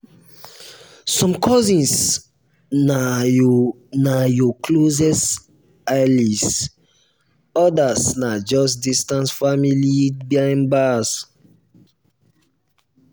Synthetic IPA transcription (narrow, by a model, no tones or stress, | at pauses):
sɔ̃mkʰɔzĩns | na | najɔkʰlozɛs | ajlis | ɔdasnad͡ʒɔs̬distãnsfamilibãɪ̃nbas